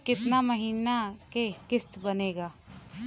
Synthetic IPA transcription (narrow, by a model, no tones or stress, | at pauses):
kɪt̪namɐɦiːnakekɪst̪bɐneːɡaː